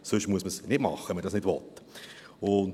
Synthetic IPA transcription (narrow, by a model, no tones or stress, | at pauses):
sʏʃmuəsməsnɪd̥mɑ̰χːəɛmədɑsnɪdʋɔt̪ | ʊn